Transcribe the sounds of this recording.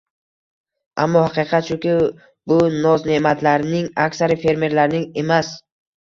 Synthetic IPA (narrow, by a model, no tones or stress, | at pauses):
ʔa̰mːɒhɑqɨqʰɑt̪ʃʊkʲɪ | bʊnɒzne̞mat̪ʰlaɾnɪŋakʲsaɾɪfe̞ɾme̞ɾlaɾnɪŋe̞mas